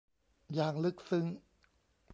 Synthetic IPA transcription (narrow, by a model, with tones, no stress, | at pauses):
jaː˨˩ŋlɯ˦˥k̚sɯ˦˥ŋ